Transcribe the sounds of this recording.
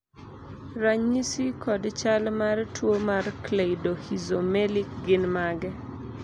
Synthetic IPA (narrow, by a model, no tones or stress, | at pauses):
ɾaɲisikɔdt͡ʃalmartwomarkleidohizomɛlik̚ɡɪnmaɡɛ